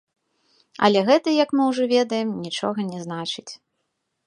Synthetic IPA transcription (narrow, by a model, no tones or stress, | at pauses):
ɐ̰lʲɛɣɛt̪ɐjɐkmɨwʐɔvʲɛd̪ɐjɛmnʲit͡ʂɔ̰ɣɐnʲɛznat͡ʂɨt͡sʲ